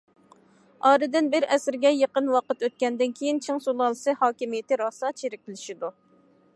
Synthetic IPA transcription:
ɑːɾɨd̪ɪnbɪɾɛsɪɾɡʲɛjeqənwɑqət̪øt̪̚kʲɛnd̪ɪnkʲʰejint͡ʃʰiŋsulˠɑlˠɨsɨhɑːkʲimijɪt̪ɪɾɑːsɑt͡ʃʰeɾɪk̪̚ʲʰɪlɪʃid̪u

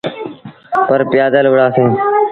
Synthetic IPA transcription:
pəɾpɪjaːd̪əlʋʊɽaːsẽː

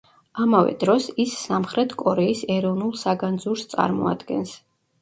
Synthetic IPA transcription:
amavɛ̰d̪ɾɔsisːamχɾɛt̪ʰkʼɔɾɛisɛɾɔvnulˠsaɡand̪zuɾst̪sʼa̰ɾmɔa̰d̪ɡɛ̰ns

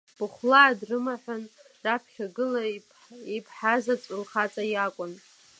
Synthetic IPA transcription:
b̥ɨχʷlaːdrɨmaħʷʊn | rapʰχʲaɡɨla | ipʰħazat͡sʷʼʊlχat͡sʼajakʷʼʊn

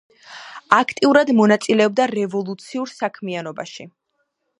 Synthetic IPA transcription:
akʰt̪ʼiuɾad̪mɔnat̪sʼilɛɔb̚d̪aɾɛvɔlˠut̪sʰiuɾsakʰmianɔba̰ʃi

